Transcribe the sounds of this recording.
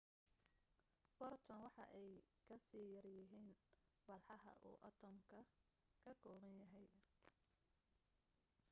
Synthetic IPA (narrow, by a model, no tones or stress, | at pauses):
b̥ɔrt̪ʰɔnwɑħɑ̰ʔɛjkʰɐsiːjɐrjɪɦiːnbɐlħɑɦɐ̰ʔṵːʔɐ̰t̪ʰɔmkʰɐ | kʰɐkʰɔːɣɐnjɐɦɛj